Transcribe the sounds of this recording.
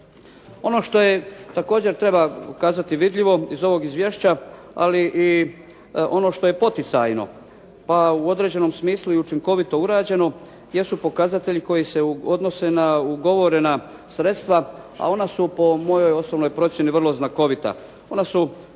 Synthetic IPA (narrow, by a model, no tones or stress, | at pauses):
o̞no̞ʃt̪o̞je̞t̪ako̞ːd͡ʑe̞ɾt̪ɾe̞bakaːzat̪iʋid̪ʎiʋo̞izo̞ʋo̞ɡizʋje̞ːʃt͡ɕa | a̰liʔi | o̞no̞ʃt̪o̞je̞po̞t̪it̪sa̰jno̞̰ | pauo̞d̪ɾe̞ːd͡ʑe̞no̞msmiːslˠuiut͡ʃiŋko̞ʋit̪o̞uɾaːd͡ʑe̞no̞ | je̞supo̞kazat̪e̞ʎiko̞jiseod̪no̞se̞nauɡo̞ʋo̞ɾe̞na | sɾet̪st̪ʋa | a̰o̞nasupo̞mo̞jo̞jo̞sobnojpɾo̞tsje̞niʋr̩lˠo̞znako̞ʋit̪a̰ | o̞nasu